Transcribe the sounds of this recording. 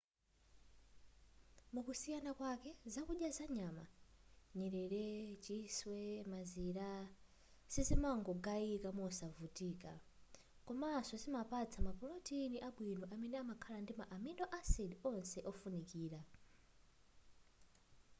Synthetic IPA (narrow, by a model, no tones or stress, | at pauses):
mukusijanakwakɛzakuɗjazaɲama̰ɲɛɾɛɾɛt͡ʃiswɛmaziɾa | sizimaŋɡɔɡaikamɔsavutiːka̰ | kɔmasɔsimapat͡sʰamapɔlɔtiniʔaɓwinɔʔamɛnɛamakʰalandimaʔaminɔʔasidiɔnsɛʔɔfunikiːɾa